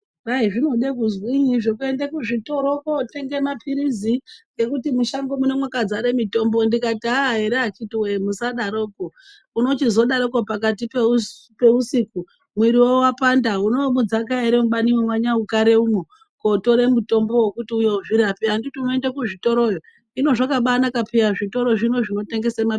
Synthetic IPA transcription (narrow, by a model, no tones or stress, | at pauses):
raiʐino̞ɗekuzwiɲiʐokue̞ndekuʐito̞ɾokote̞ŋɡe̞mapʰiɾiziɡe̞kutimuʃaŋɡo̞mune̞mwokad͡zaɾemito̞mbo̞ndikatiaɦeɾeat͡ʃitiwemusaɗaɾo̞ːko | uno̞t͡ʃizo̞ɗaɾoko̞pakat̬ipeu | pe̞usiku | mwiɾiwo̞wapandauno̞mud͡zakaeɾemuɓaniwemwaɲaukaɾeumo | koto̞ɾe̞muto̞mbo̞wekutiujeuʐiɾapianditiunoendekuʐito̞ɾo̞jo | ino̞ʐakaɓanakapijaʐito̞ɾo̞ʐino̞ʐino̞te̞ŋɡe̞sema